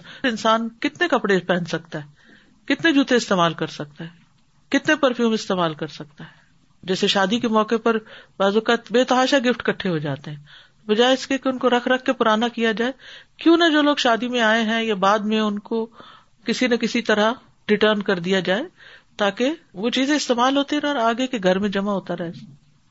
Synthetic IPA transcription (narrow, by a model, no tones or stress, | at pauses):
ɾɪ̃nsaːnkɪt̪nekɐpɽepɛ̃ːnsɐk̚t̪aɦɛː | kɪt̪ned͡ʒuːt̪eɪst̪eːmaːlkɐɾsɐk̚t̪aɦɛː | kɪt̪nepɐɾfjuːmɪst̪eːmaːlkɐɾsɐk̚t̪aɦɛː | d͡ʒɛːseʃaːd̪ikemɔːkepɐɾbaːzokabeːt̪ɐɦaːʃaɡɪfʈkɐʈʰːeɦod͡ʒaːt̪eɦɛ̃ː | bɐd͡ʒaːeɪskekeʊnkoɾɐkʰɾɐkʰːepʊɾaːnakijad͡ʒaːekjõːnɐd͡ʒoːloːɡʃaːd̪imẽaːeɦɛ̃jabaːd̪mẽʊnko | kɪsinɐkɪsit̪ɐɾa | ɖɪʈəːɾnkɐɾd̪ijad͡ʒaːet̪aːkeʋot͡ʃiːzẽɪst̪eːmaːlɦoːt̪iɦɛ̃ɔːɾaːɡekeɡʱɐɾmẽd͡ʒɐmaɦoːt̪aɾɛɦes